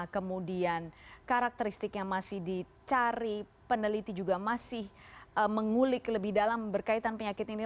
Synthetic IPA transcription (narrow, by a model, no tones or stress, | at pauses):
kəmudiankaɾak̚t̪əɾist̪ɪkjaŋmasɪhdi | t͡ʃaɾi | pənəlit̪id͡ʒuɡamasɪhəməŋulɪkləbɪhdalambərkait̪anpəɲakɪt̪ini